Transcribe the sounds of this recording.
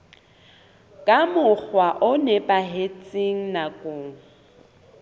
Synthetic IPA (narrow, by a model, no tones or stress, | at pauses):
kʼamʊk͡xwaʔʊnɛpʼaɦet͡sʼiŋ̩nakʼʊːŋ̩